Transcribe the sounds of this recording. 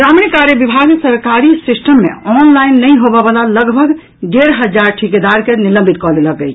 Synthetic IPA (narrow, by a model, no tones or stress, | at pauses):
ɡɾamnikaɾjəbibʱaɡmesəɾkaɾisisʈəmːḛɔnlainːəjɦobɔbəlaləɡbʱəɡ | d̪eɾɦəd͡ʒaɾʈʰiked̪aɾkenilə̃mbʱit̪̚kɔleləkəjt͡ʃʰ